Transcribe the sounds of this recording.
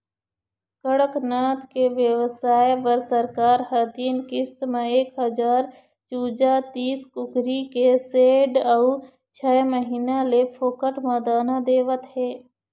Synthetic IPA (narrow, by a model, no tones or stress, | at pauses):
kəɽəknaːt̪keʋjəwsaːjepəɾsəɾkaːɾɦət̪iːnkɪst̪mẽeːkɦəd͡ʒaːɾ | t͡ʃuːd͡ʒat̪iːskʊkɾikeseːɖəʊ | t͡ʃʰɛːməɦiːnalepʰoːkəʈməːd̪aːnad̪eːʋət̪ɦɛː